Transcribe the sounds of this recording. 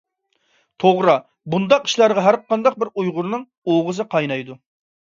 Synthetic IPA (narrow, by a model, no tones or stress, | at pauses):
t̪ʰoʁɾɑ | bund̪ɑqi̥ʃlˠɑɾʁɑɦæɾqʰɑnd̪ɑq̚bɪɾujʁʊɾnɨŋ | oʁəzɨqʰɑjnɑjd̪u